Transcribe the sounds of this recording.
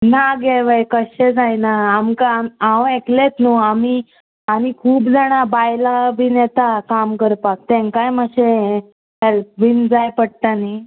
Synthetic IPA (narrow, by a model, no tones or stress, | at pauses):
naɡeʋəjkəɕed͡zajnaːmkaaʋeklet̪nuami | anikʰuːpd͡zaɽ̃abajlabʱinet̪akamkəɾpat̚t̪ɛ̃ŋkajməɕe | ɛlp̚ʋind͡zajpəɽ̚t̪ani